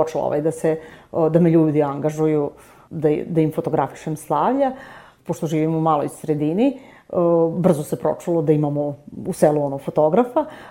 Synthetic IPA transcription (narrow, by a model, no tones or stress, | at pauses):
ot͡ʃelo̰o̰ʋa̰jd̪ased̪ameʎuːd̪iaŋɡaʒuju | d̪ad̪aimfot̪oɡɾafi̥ʃemslˠaʋʎa | poʂt̪o̞ʒiːʋimoumaːlˠo̰jsɾed̪ini | br̩zose̞pɾo̰t͡ʂulˠod̪aimamouseːlˠuonoɡfot̪o̞ɡɾafa